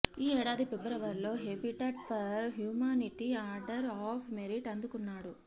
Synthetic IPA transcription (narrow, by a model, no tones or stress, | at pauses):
iːɛːɽaːd̪ipebɾɐʋɐɾlo̞ːɦepiʈɐʈpʰɐɾɦjuːmaːniʈiaːɾɖɐɾaːpʰmeɾiʈɐnd̪ukunːaːɽu